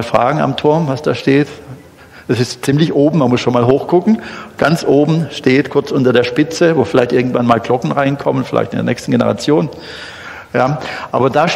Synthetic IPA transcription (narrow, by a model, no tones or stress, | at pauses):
lfʁ̥a̰ːɡŋ̩a̰mtʰʊɐmvasd̥aːʃteːt | d̥asɪstt͡siːmlɪçʔoːbm̩manmʊsʃoːnmaːlɦoːxkʊkŋ̩ɡ̥ant͡sʔoːbm̩ʃteːtkʰʊɐt͡sʔʊntɐdeːɐʃpɪt͡səvoːfɪlaɪçtʔɪɐɡŋ̩tv̥anmaːlɡlɔkŋ̩ʁaɪnkʰɔmənfɪla̰ɪçtɪndeɐnɛ̰ːçstn̩ɡenəʁa̰t͡sjoːn | jaːʔa̰ːbɐdaː